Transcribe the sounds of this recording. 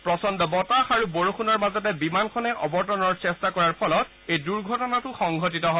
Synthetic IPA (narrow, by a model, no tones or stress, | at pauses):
pɹɔsɔndɔbɔtaxaɹuboɹoxʰunɔɹmazɔt̬ɛbimankʰɔnɛʔɔbɔɹtɔnɔɹsɛstakɔɹaɹpʰɔlɔt̚ | ejduɹɡʱɔtɔnatʊxɔŋɡʱot̬itɔɦɔ